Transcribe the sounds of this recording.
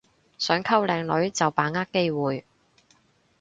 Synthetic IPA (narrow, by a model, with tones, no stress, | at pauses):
sœː˨˥ŋkʰɐ˥wlɛː˨˧ŋlɵ˨˥ɥt͡sɐ˨wpaː˨˥ŋaː˥k̚kːe˥jwuː˨j